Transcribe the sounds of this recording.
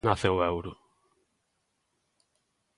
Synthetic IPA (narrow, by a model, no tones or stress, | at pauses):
naθewɛwɾʊ